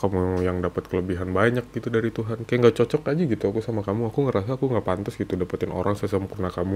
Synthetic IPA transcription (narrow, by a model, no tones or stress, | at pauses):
kamujaŋdapat̪̚kələbiɦanbaɲak̚ɡ̥it̪udaɾit̪uɦankajaŋɡat͡ʃɔt͡ʃɔkad͡ʒaɡit̪uakusamakamuakuŋəɾas̬aːkuŋɡapant̪ɔsɡit̪udapat̪ɪnʔo̰ɾaŋsɛsəmpurnakamu